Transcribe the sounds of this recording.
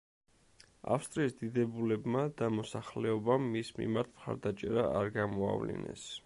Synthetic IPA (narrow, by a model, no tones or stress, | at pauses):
a̰fst̪ʼɾiːsd̪id̪ɛbulɛbmad̪̥amɔsaχlɛɔbamːismḭmaɾt̪ʰmχa̰ɾd̪at͡ʃʼɛɾaaɾɡamɔa̰vlḭnɛ̰s